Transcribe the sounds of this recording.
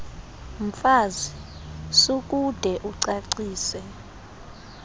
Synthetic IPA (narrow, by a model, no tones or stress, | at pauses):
m̩faːzisuk̬ʼud̥ʱɛʔuǀaǀiːsɛ